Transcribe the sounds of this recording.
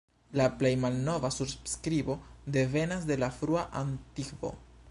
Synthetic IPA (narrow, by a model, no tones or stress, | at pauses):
laple̞jmalno̞vasuɾbskɾibo̞de̞ve̞nas̬de̞lafɾuaʔantikvo̞̰